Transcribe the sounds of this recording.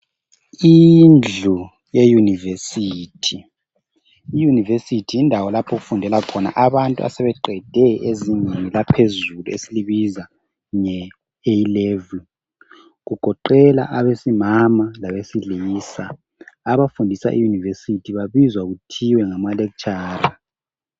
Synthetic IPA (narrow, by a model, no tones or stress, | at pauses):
ind͡ɮʱu | jejunivesiːtʰi | junivesitʰijindʱawɔlapʰɔɣufundʱɛlakʰɔna̰ʔaβantʼṵa̰sɛβɛǃɛd̥ʱɛezinenilapʰezuluesiliβiza | ŋɛ | eilevul | ɣuɡ̥ʱɔǃɛla̰ʔaβesimamalaβesiliːsaː | βafundʱisa̰ʔḭjunivesitʰiβaβizwaɣutʰiwɛŋamalekut͡ʃʼaːra